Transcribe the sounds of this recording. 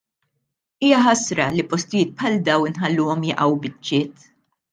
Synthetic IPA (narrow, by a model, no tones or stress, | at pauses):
iːjɐħɐsɾɐlipɔst̪ɪjɪːt̪̚pħɐld̪ɐwɪnħɐlːʊːɔmjɐʔɐwbɪt͡ʃːɪːt̪